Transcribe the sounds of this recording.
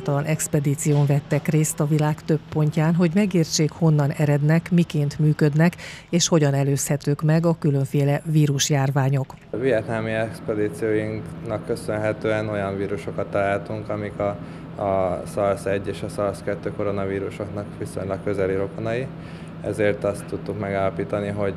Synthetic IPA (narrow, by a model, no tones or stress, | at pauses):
at̪ɒlɒnʔɛkspɛd̪iːt̪sijoːɱvɛt̪ːɛkreːst̪ɒvilaːkt̪ø̞pːo̞ɲcaːnɦo̞ɟmɛɡeːrt͡ʃeːkho̞nːɒnɛɾɛd̪nɛkmikeːnt̪myːkø̞d̪nɛkeːʃho̞ɟɒnɛløːshɛt̪øːkmɛɡɒkyløɱfeːlɛviːɾuʃjaːrvaːɲo̞k | vijɛt̪naːmiɛkspɛd̪iːt̪sijoːjiŋknɒkːø̞sønɦɛt̪øːɛno̞jɒɱviːɾuʃo̞kɒt̪ːɒlaːlt̪uŋkɒmikɒ | sɒlsɛɟːeːʃɒsɒlskɛt̪ːøːko̞ɾo̞nɒviːɾuʃoknɒkʋiso̞̰ɲlɒkkːø̞zɛliɾo̞konɒji | ɛ̰zeːrt̪ɒst̪ːut̪ːukmɛɡaːlɒpiːt̪ɒniɦo̞ɟ